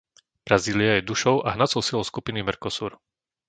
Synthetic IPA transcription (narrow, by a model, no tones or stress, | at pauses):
b̥ɾaziːliajɛd̪uʃɔʊʔaɦnat͡sɔʊsilˠɔʊskupinimɛɾkɔsṵːɾ